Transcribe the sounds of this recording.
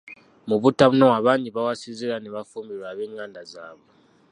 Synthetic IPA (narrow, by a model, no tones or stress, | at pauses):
muβutaβunowaβaɲiβawasizilaneβafumbiɾwaβeːŋandʱazaːβo